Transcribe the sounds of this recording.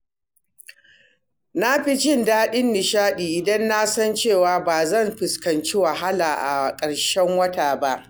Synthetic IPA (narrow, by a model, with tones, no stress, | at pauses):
na˦ɸi˦t͡ʃɪ˦˨ndaː˦ɗɪ˦nːɪ˨ʃaː˦ɗiː˨ʔɪ˨dɐ˦nːa˦sɐ˦nt͡ʃeː˦˨waː˨baː˨zɐ˦˨mɸɪ˨skɐ˨nt͡ʃi˦wɐ˨ɦa˦laː˨ʔa̰˨kʼɐ˨ɽʃɛ˦ŋwɐ˦taː˨ba˦ʔ